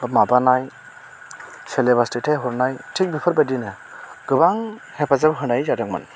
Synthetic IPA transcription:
mabanaj | sɛlebastitʰaɦuɾnajtʰik̚bipʰɔɾbadina | ɡ̥ɯbaŋhɛpazabɦɯnajzadaŋma̰n

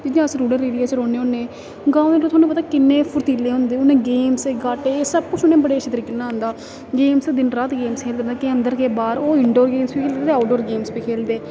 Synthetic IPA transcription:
d͡ʒɪjãːəsɾuːɽəɾeːɽijaːt͡ʃɾoːneːʊːnːẽː | ɡãːnẽːlõːt̪ʰwaːnũːpət̪aːkɪnːẽːpʰʊɾt̪iːlːeːɦõʊ̃ːnd̪eːʊnẽːɡeːmseːɡaːʈeːsəb̚kʊt͡ʃʰʊnẽːbəɽeːʃʰət̪əɾiːkenãːnd̪aː | ɡeːmsd̪ɪnɾaːt̪ɡeːmskʰeːlkəɾnd̪aːkeːənd̪əɾkeːbaːɾoːɪɳɖoːɾɡeːmspeːkʰeːleeaːɖoːɾɡeːmspeːkʰeːld̪eː

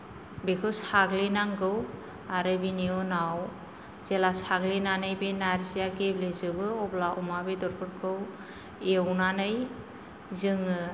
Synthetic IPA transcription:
bekʰɯwsaɡlinaŋɡɯw | aɾɯbiniɔnaw | zelasaɡlinanɯjbenaɾzijaɡeblezɯbɯɔblaɔmabedɔɾpʰɯɾkʰɯw | ewnanɯj | zɯŋɯ

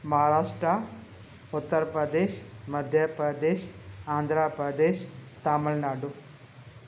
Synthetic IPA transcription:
mɐɦaɾaːʂʈɾɐ | ut̪ːɐɾpɾɐd̪eːʃmɐd̪ʱjɐpɾɐd̪eːʃaːnd̪ʱɾaːpɾɐd̪eːʃt̪aːmulnaːɖu

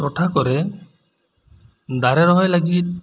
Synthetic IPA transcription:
ɔʈʰakɔɾe | d̪aɾɛɾɔɦɔjləɡit̪̚

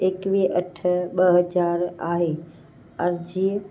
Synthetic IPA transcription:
ekʋiʔɐʈʰəɓɐɦɐd͡ʑaːɾaːɦeː | ɐ̃d͡ʑiːə

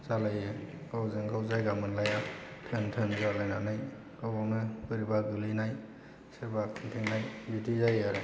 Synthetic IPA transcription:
zalajɯɡawzɯŋɡawzajɡamɯnlajatʰɯntʰɯnzalajnanaj | ɡɔbɔŋnɯbɯɾibaɡɯlinaj | seɾbakʰɯntʰeŋnajbidizajaɾɯ

